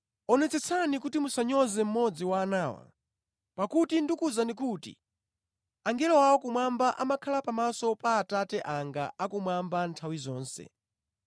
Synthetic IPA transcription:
ɔnɛt͡sɛt͡sʰanikutimusaɲɔzɛm̩mɔd͡ziwaːnaːwa̰ | pakutindikuzanik̬uːtḭ | aŋɡɛlɔwawɔkumwambaʔamakʰalapamasɔpaːtatɛʔaŋɡa̰ʔakumwambantʰawizɔːnsɛ̰

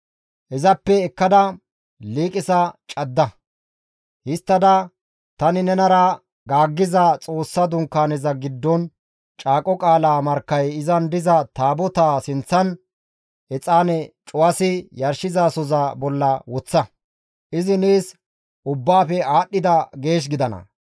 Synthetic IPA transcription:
ʔɛzɐpːɛɛkːɐd̪ɐ | liːkʼɪsɐt͡ʃʼɐd̪ːɐ | hɪst̪ːɐd̪ɐ | t̪ɐnɪnɛnɐɾɐ | ɡaːɡːɪzɐt͡sʼo̞ːsːɐd̪ʊŋkːaːnɛzɐɡɪd̪ːɔn | t͡ʃʼaːkʼɔkʼaːlaːmɐɾkːɐjɪzɐnd̪ɪzɐt̪aːbɔt̪aːsɪnt͡sːɐn | ɛt͡sʼaːnɛt͡ʃʼʊwɐsɪjɐɾʃɪzaːsɔzɐbɔlːɐwɔt͡sːɐ | ʔɪzɪniːs | ʔʊbːaːfɛaːɗːɪd̪ɐɡe̞ːʃ̬ɡɪd̪ɐnɐ̰

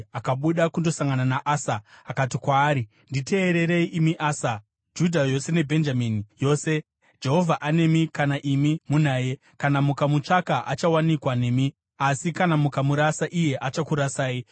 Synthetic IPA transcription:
akaɓuɗakundo̞saŋɡananaʔaːsaːkatikwaːɾi | ndite̞ːɾe̞ɾe̞iʔimiʔaːsa | d͡ʒudʱajo̞se̞ne̞bʱe̞nd͡ʒamiːnijo̞ːse̞ | d͡ʒe̞ɦo̞vʱaʔane̞mikanaʔimimunaːje̞ | kanamukamut͡ʂakaʔat͡ʃawanikwane̞mi | asikanamukamuɾasaʔije̞ʔat͡ʃakuɾasaːi

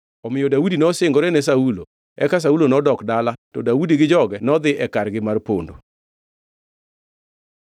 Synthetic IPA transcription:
ɔmɪjodaudinɔsɪŋɡɔɾɛnɛsaulo̰ | ɛkas̬aulonɔdɔkdalatɔdaudiɡɪd͡ʒɔɡɛnɔd̪ɪʔɛkarɡɪmarpo̰ndo̰

